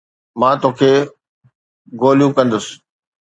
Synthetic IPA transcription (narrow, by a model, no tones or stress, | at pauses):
mãːt̪oːkʰeː | ɡoːljũkɐ̃nd̪ʊsɪ̥